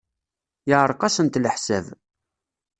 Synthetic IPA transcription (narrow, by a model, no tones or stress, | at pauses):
jɪʁəɾˤqɑsənt̪ləħsæv